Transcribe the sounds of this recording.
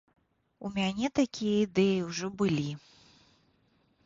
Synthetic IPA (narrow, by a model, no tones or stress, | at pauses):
umʲanʲɛt̪akʲijɐid̪ɛjiwʐɔbɨlʲi